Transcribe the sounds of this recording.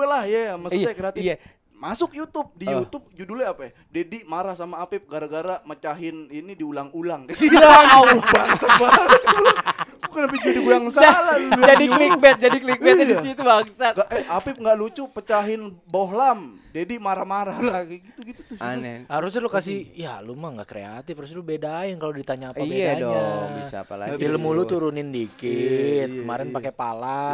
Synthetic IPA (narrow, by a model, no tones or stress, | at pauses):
lahjaməsiakəɾatija | masʊk̚jut̪ʊp̚dijut̪ʊp̚d͡ʒudulaapa | dediʔmaɾahsamaːpɪp̚ɡaɾaɡaɾamət͡ʃaɦɪninidiulaŋulaŋkaiaubaŋsat̪̚baŋsat̪labukanapid͡ʒadiuaŋssaalad͡ʒadiklikbɛt̪̚d͡ʒadiklik̚bɛt̪iit̪ubaŋsat̪aapiŋɡaʔlut͡ʃupət͡ʃaɦɪnboɦlam | d͡ʒadimaɾamaɾalaɡiɡit̪uɡit̪ut̪ʊhaɾʊslukasijalumaŋɡa̰ʔkɾḛa̰t̪ɪfaɾus̬lubedaɪnkalodit̪aɲaːpabeɲaa̰diləmulut̪uɾunɪndikɪt̪̚kəma̰ɾɪnpakepala